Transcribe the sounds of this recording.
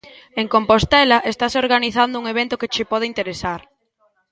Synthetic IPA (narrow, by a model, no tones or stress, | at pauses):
eŋkompost̪ɛlɐʔest̪asoɾɣaniθand̪ʊuŋeβent̪ʊket͡ʃɪpɔð̞ɪint̪eɾesaɾ